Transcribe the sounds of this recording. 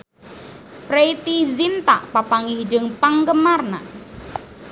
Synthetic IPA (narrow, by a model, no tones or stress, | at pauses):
pɾeit̪izint̪a̰ʔpapaŋihd͡ʒəŋpaŋɡəmarna